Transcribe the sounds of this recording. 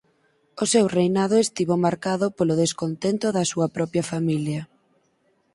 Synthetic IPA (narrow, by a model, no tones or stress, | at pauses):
ʊsewrejnaðʊest̪iβomaɾkaðʊpolʊðeskont̪ent̪ʊðɐsuɐpɾɔpjɐfamiljɐ